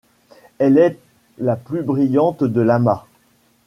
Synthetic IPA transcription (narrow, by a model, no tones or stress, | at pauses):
ɛlɛ | laplybʁijɑ̃t̪d̪əlama